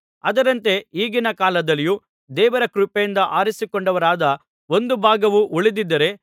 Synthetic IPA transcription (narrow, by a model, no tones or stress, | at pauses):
ɐd̪ɐɾɐnt̪e̞iːɡinɐkaːlɐd̪ɐlːiju | d̪ɛːʋɐɾɐkɾupejind̪ɐʔaːɾisikoɳɖɐʋɐɾaːd̪ɐ | o̞nd̪ubʱaːɡɐʋuʔuɭid̪id̪ːɐɾe̞